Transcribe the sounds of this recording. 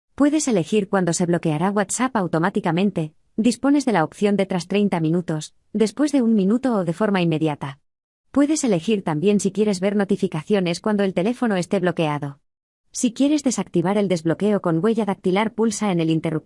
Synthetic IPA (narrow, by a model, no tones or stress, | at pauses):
pwe̞ðe̞sele̞xiɾkwand̪o̞se̞βlo̞ke̞aɾaɣwat̪sapawt̪o̞mat̪ikamẽ̞nt̪e̞ | d̪ispo̞ne̞zðe̞laopθjo̞nd̪e̞t̪ɾast̪ɾe̞jnt̪amĩnut̪o̞s | d̪e̞spwe̞zðe̞uŋmĩnut̪o̞ːðe̞foɾmaimːe̞ðjat̪a | pwe̞ðe̞se̞le̞xiɾt̪ambje̞nsikje̞ɾe̞zβe̞ɾno̞t̪ifikaθjo̞ne̞skwand̪o̞elt̪e̞le̞fo̞no̞e̞st̪e̞βlo̞ke̞aðo̞ | sikje̞ɾe̞zðe̞sak̚t̪iβ̞aɾe̞ld̪e̞zβlo̞ke̞o̞ko̞ŋɡwe̞ʝaðak̚t̪ilaɾpulsae̞ne̞lint̪e̞rup